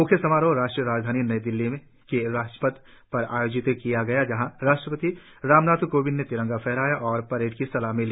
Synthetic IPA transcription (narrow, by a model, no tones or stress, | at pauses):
mʊkʰjəsɐmaːɾoɾaːʃʈɾijəɾaːd͡ʒd̪ʱaːninɐed̪ɪlːimẽ | keɾaːsʈə̥pət̪ | pɐɾa̰ːjoːd͡ʒɪt̪kijaɡɐjad͡ʒɐɦãɾaːʃʈɾəpət̪i | ɾaːmnaːt̪ʰkoːbinnet̪ɪɾə̃ŋɡapʰɛɦɾaːjaʔɔːɾpɐɾeːʈkisɐlaɦmeli